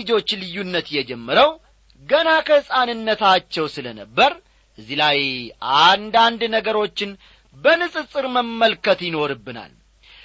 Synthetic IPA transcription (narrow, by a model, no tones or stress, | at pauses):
ɨd͡ʒo̞t͡ʃːlɨjːunːət̪jɛd͡ʒɛmːəɾəw | ɡənakʰəhɨsʼanɨnːət̪ʰat͡ʃːɛwsɨlənəbːəɾ | ʔɨzːilajʔand̪and̪nəɡəɾo̞t͡ʃːɪn | bənɨsʼɨsʼɨɾməmːəlkət̪jɪno̞ɾɨbːɨna̰l